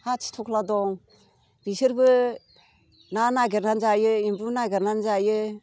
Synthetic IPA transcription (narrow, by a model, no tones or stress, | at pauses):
hat͡ʃʰi̥tʰɔkʰladɔŋ | ɾisɯɾbɯ | nanaɡeɾnanzajɯimbunaɡeɾnanzajɯ